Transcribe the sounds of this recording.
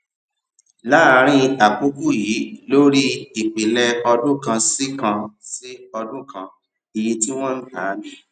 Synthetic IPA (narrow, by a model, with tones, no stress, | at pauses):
la˦˧ɾ̃ĩ˦a˨k͡pu˦ku˦jiː˨˦lo˦ɾi˦i˨k͡pi˨lɛ˧ɔ˧dũ˦kã˧si˦kã˧si˦ɔ˧dũ˦kã˧ | i˧ji˧ti˦w̃ɔ̃˦n̩˦taː˨˦mĩ˦